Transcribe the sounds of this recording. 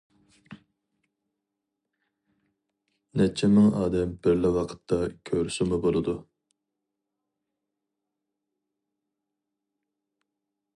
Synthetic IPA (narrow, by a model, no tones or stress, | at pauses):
nɛt͡ʃʰːɪmɪŋɑːd̪ɛmbɪɾlɪwɑqʰə̥t̪ʰːɑkʲʰøɾsɪmʊbolˠɨd̪u